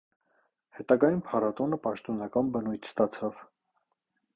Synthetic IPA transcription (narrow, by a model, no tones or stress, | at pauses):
hɛt̪ɑɡɑjunpʰɑɾɑt̪ɔnəpɑʃt̪ɔnɑkɑnbənujt̪ʰst̪ɑt͡sʰɑv̥